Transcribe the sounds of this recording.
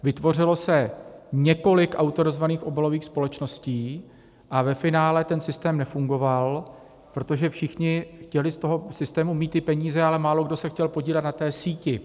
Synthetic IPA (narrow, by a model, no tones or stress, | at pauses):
vɪt̪vo̞r̝ɪlo̞sɛɲɛko̞lɪkʔawt̪oɾozvaniːxʔo̞bɛlo̞viːxspo̞lɛt͡ʃno̞sciː | ʔavɛfɪnaːlɛt̪ɛnsɪst̪ɛːmnɛfuŋɡo̞val | pɾo̞t̪o̞ʒɛfʃɪxɲɪxcɛlɪst̪o̞ɦo̞sɪst̪ɛːmumiːt̪ɪpɛɲiːzɛalɛmaːloɡdo̞sɛxcɛlpo̞ɟiːlɛt̪nat̪ɛːsiːcɪ